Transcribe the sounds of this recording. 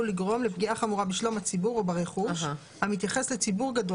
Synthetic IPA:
uliɡʁo̞mlepɡiaχamuʁabiʃlomhat͡sibuʁobaʁeχuʃ | hamit̪jaχe̞slet͡sibuʁɡado

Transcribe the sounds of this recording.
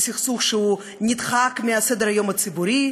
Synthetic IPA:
sʲiχsuχʃɛu | nʲid̪χakmʲiasɛd̪əɾajomɐt͡sɨbuɾʲi

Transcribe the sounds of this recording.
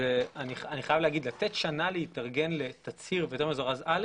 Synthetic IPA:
eaniχaniχajavleaɡid̪lat̪et̪ʃanaleit̪aʁɡe̞nlet̪at͡siʁbejot̪e̞ʁmezoʁazal

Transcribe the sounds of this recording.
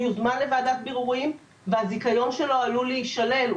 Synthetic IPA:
juzmanle̞vaːd̪at̪̚biʁuʁim | veazikajo̞nʃe̞lo̞aluliiʃale̞l

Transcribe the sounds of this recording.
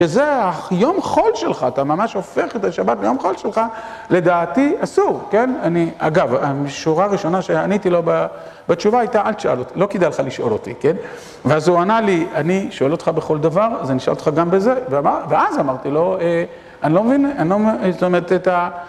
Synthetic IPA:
ʃezeajo̞mχo̞lʃe̞lχaːt̪amamaʃo̞fe̞χet̪aʃabat̚bejo̞mχo̞lʃelχa | le̞d̪aːtiasuʁke̞nania̰ɡavamiʃuʁaːʁiʃo̞naʃeanit̪iloba | bat͡ʃuvaajtaʔalʃaʔa̰lot̪ilo̞kid̪ajleχaliʃo̞̰lo̞t̪ḭken | veazoanalianiʃoelot̪χabeχo̞ld̪avaʁzeniʃa̰lotχaɡambeze̞veaaveazamaʁt̪ilo̞e | anilo̞mevinanlomsoomeʁt̪eta

